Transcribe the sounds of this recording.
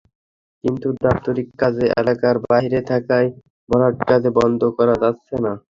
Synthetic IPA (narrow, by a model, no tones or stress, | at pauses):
kint̪ud̪ap̚t̪oɾikːad͡ʑeʔɛ̰lakaɾbaɦiɾet̪ʰakaj | bʱɔɾaʈkad̪ebɔnd̪ʱokɔɾad͡ʑatːɕʰena